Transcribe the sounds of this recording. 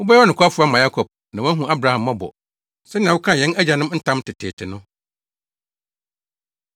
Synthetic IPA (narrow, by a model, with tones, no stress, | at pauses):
wʊ˦bɛ˦ɛ˦ɔ˦ñ˨kʰʷa˦fʊ˦a˦mã˨ja˦kʰɔ˨b̚ | nã˨wɔ̃˦ɦũ˨a˦bɾa˨hã˨mːã˦bɔ̰˨ | sɛ˦nɪ̃˨ã˨wʊ˦kʰã˦˨jɛ̃˦næ˦d͡ʑa˨nɪ̃˦m˦n̩˦tʰã˦mtʰɪ˨tʰeː˨tʰɪ˨nʊ̃˦